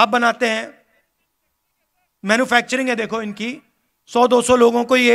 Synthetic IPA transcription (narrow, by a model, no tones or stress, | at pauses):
aːp̚bɐnaːt̪eɦɛ̃ː | mɛːnupʰɛːk̚t͡ʃəɾɪ̃ŋɡɦɛ̃d̪eːkʰoɪnki | sɔːd̪oːsɔloːɡõkoje